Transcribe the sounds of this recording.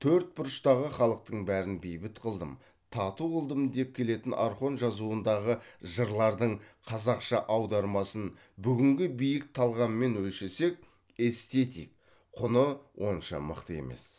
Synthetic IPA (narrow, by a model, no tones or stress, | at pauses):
t̪ʰɵɾt̪̚bʊɾəʃt̪ɑʁəχɑlˠəq̚t̪əɴbæɾɪnbejbɪt̪qʰəlˠd̪əm | t̪ʰɑt̪uʁəlˠd̪əmd̪e̞p̚kʲʰe̞le̞t̪ɪnʔɑɾχo̞nʒɑzuənd̪ɑʁəʒəɾlˠɑɾd̪əɴqʰɑzɑqʃɑʔɑwd̪ɑɾmɑsən | bʏɡʲɪŋɡʲɪbijɪk̚t̪ʰɑlˠʁɑnme̞nwɵlʃe̞se̞k̚ʲ | e̞st̪e̞t̪ijk̚ | qʰʊnəwʔo̞nʃɑ̰mə̰qt̪əe̞̰me̞̰s